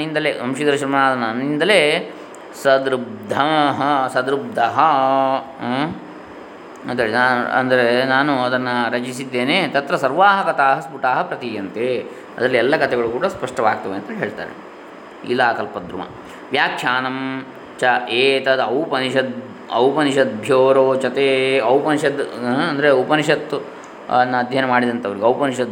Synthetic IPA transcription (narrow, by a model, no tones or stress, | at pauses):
ind̪ɐleːsɐmʂid̪ɐɾɐʃɐɾmɐnaːd̪ɐnɐnːind̪ɐleː | sɐd̪ɾub̚d̪ʱɐɦɐsɐd̪ɾub̚d̪ʱɐɦɐ | ɐnd̪ɐɾaːɐ̰nd̪ɐɾenaːnuɐd̪ɐnːɐɾɐt͡ʃisid̪ːeːneːt̪ɐt̪ɾɐsɐɾʋaːɦɐkɐt̪aːɦɐspuʈaːɦɐpɾɐt̪ijɐnt̪eː | ɐ̰d̪ɐlːiɛlːɐkɐt̪ʰɛɡɐɭukuːɽɐspɐʂʈɐʋaːɡ̚t̪ɐʋeɐnt̪ɐɦeːɭt̪a̰ːɾḛ | ḭlaːkɐlpɐd̪ɾṵmɐ̰ | ʋjaːkʂʰjaːnɐm | t͡ʃɐeːt̪ɐd̪ɐwpɐniʃɐd̪ | ɐ̰wpɐniʃɐd̪̚bʱjoːɾoːt͡ʃɐt̪eːɐwpɐniʃɐt̪ɐnd̪ɐɾeɐwpɐniʃɐt̪ː | ɐnːɐɐd̪ʱjanɐmaːɽid̪ɐnt̪ɐʋɐɾiɡeɐwpɐniʃɐt̪̚